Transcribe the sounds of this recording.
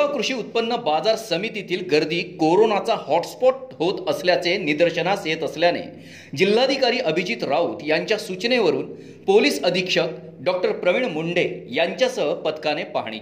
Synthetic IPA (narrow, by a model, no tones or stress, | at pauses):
akɾuʂiːut̪̚pənːəbad͡zaɾsəmit̪it̪ʰiːlɡəɾd̪iːkoɾonat͡sahɔʈspɔʈ̚ɦot̪əsljat͡senid̪əɾɕənaset̪əsljanḛ | d͡ʑilːad̪ʱikaɾiːʔəbʱid͡ʑiːt̪ɾauːt̪jaɲt͡ɕjasut͡ɕneʋəɾuːn | poliːsəd̪ʱikʂək | ɖɔk̚ʈəɾpɾəʋiɳmuɳɖejaɲt͡ɕjasəɦpət̪kanepa̰ɦɳ̃ḭ